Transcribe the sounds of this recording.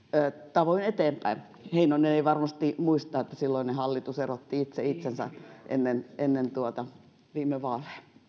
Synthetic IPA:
əːt̪ɑʋoinet̪eːmpæin | heinoinːeneiʋɑrmɑst̪imuist̪ɑːet̪ːæsilːoinnehɑlːit̪userot̪ːiit̪seit̪sensæ̰ʔḛnːenenːent̪uot̪ɑ | ʋiːmeʋɑːleː

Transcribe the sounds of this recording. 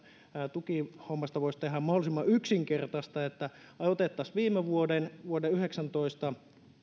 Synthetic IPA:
t̪ukihomːɑst̪ɑʋoisʲt̪eɦæmmɑholisimːɑyksiŋkert̪ɑst̪ɑet̪ːæ | ɑot̪et̪ːɑsʋiːmːeʋuodenʋuodeyheksɑnt̪oist̪ɑ

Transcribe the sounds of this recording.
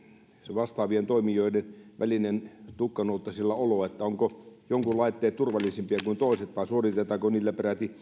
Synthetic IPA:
seʋɑst̪ɑːʋient̪oˑimioˑidenʋʔæ̰linent̪ukːɑnoˑlt̪ːɑsilːɑoloet̪ːæoŋkojoŋkulɑˑit̪ːeːt̪t̪urʋɑlːˑisimpiɑkuint̪oˑiset̪ʋɑˑisuorit̪et̪ɑːkoniːlːæperæt̪i

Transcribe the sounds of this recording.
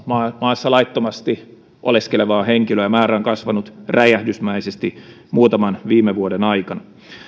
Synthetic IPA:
mɑmɑːsːɑlɑit̪ːomɑst̪i | ʔo̰leskeleʋɑːheŋkiløjæmæːɾæoŋkɑsʋɑnut̪ræjæhdysmæisest̪i | muːt̪ɑmɑnʋiːmːeʋuodenɑikɑnɑ

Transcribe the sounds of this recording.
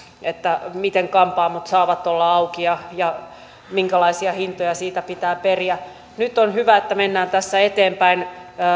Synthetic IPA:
et̪ːæmit̪eŋkɑmpɑːmːut̪sɑːʋɑt̪ːolːɑɑukiɑjɑ | miŋkælɑisiɑhint̪ojɑsiːt̪æpit̪æːperiæ | nyt̪ːonhyʋæet̪ːæmenːæːnt̪æsːæet̪eːmpæinː

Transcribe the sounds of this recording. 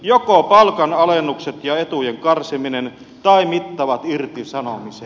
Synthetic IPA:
jokopɑlkɑnɑlenːukset̪jɑet̪ujeŋkɑrsiminen | t̪ɑˑimit̪ːɑʋɑt̪irt̪isɑnomise

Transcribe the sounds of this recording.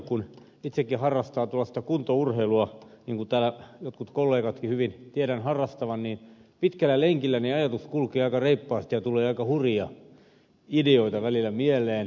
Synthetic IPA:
kun | it̪sekːihɑrːɑst̪ɑːt̪ulːɑsit̪ækunt̪ourheiluɑniːŋkut̪æːlæjot̪kut̪kolːeːkɑt̪kihyʋint̪iæɾænhɑrːɑst̪ɑʋɑnniːnpit̪kælːˑæleŋkilːæneɑjɑt̪uskulkeːɑikɑreipːɑːst̪ijɑt̪ulˑeːɑikɑhuriɑ | ideoit̪ɑʋælilːˑæmielˑeːn

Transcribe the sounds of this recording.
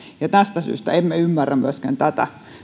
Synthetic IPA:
jɑt̪æst̪æsy̰ːst̪æ̰emmeymːærːæmmyøskæ̰nt̪æt̪æ̰

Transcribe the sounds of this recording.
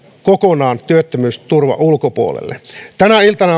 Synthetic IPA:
kokonɑːnt̪yøt̪ːømyːst̪urʋɑ̰ʔulkopuo̰lḛlːḛt̪ænæilt̪ɑnɑ

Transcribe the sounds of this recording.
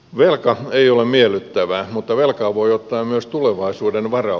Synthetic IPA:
ʋelkɑeiolemmielyt̪ːæʋæmut̪ːɑʋelkɑːʋoiot̪ːɑːmmyøst̪uleʋɑisuːdenʋɑrɑ

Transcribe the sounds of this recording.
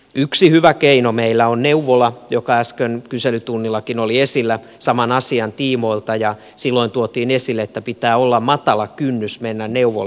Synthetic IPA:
yksihyʋækeinomeilːæonneuʋolɑjokɑæskønkyselyt̪unːilːˑɑkinoliesilːæ | sɑmɑnɑsiɑnt̪iːmoilt̪ɑjɑ | silːoint̪uot̪iːnesilːeet̪ːæpit̪æːolːɑmmɑt̪ɑlɑkynːysmenːænneuʋo̰lɑ

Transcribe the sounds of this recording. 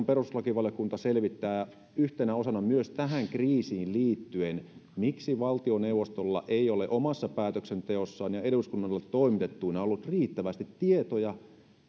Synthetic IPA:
mperuslɑkiʋɑljokunt̪ɑselʋit̪ːæː | yht̪enæosɑnɑmyøst̪æɦæŋkriːsiːlliːt̪ːyenmiksiʋɑlt̪ioneuwʋːˑost̪olːɑ̰ʔeioleʔomɑsːɑpæːt̪øksent̪eosːɑːnjɑeduskunːɑlːet̪toimit̪et̪ːuːneolːut̪riːt̪ːæʋæst̪it̪tiet̪ojɑ

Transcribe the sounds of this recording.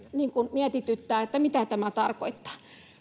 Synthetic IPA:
niːŋkunmiæt̪it̪yt̪ːæːet̪ːæmit̪æt̪æmæt̪ɑrko̰it̪ːɑ̥ː

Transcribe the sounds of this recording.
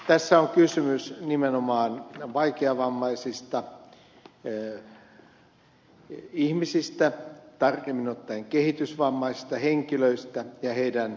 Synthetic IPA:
t̪æsːæoŋkysymysnimenomɑːnʋɑikeɑʋɑmːɑisist̪ɑ | ihmisist̪æt̪ɑrkemːinot̪ːɑeŋkehit̪ysʋɑmːɑisi̥st̪ɑheŋkiløist̪æjɑheidæn

